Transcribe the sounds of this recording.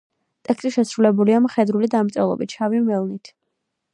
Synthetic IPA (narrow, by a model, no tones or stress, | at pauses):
t̪ʼɛkst̪ʼiʃɛsɾulɛbuliamχɛd̪ɾulid̪amt̪sʼɛ̰lˠɔ̰bit̪t͡ʃʰavimɛlˠnit̪ʰ